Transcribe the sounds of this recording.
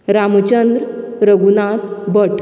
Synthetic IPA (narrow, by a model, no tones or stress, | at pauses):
ɾamt͡ɕənd̪ɾ | ɾəɡunat̪bəʈʰ